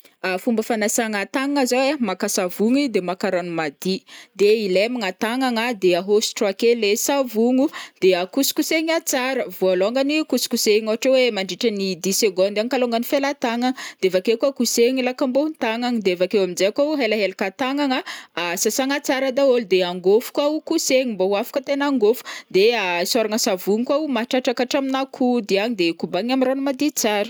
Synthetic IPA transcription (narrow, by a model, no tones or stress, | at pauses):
afumbəfanasaŋat̪aŋaŋazawemakasavuŋid̪emakaɾanumad̪id̪eilemaŋat̪aŋaŋad̪eaɦosi̥ʈ͡ʂuakelesavuŋud̪̥eakusi̥kuseɲat͡saɾəvoaloŋɡanikusi̥kuseɲoɦaʈ͡ʂewemaɳɖ͡ʐiʈ͡ʂənid̪iseɡond̪aŋkaloŋɡanifelat̪aŋaŋd̪̥eevakekakuseɲilakambount̪aŋaŋid̪eevakewaminzeakauɦelaɦelakat̪aŋaŋaasasaŋat͡saɾad̪aold̪eaŋɡofu̥kwaukuseɲimboafḁkət̪enaŋɡofu̥d̪easaɾaŋəsavuŋikwaumaʈ͡ʂaʈ͡ʂakaʈ͡ʂaminakʰud̪iaɲid̪ekubaɲamiranumad̪it͡saɾu̥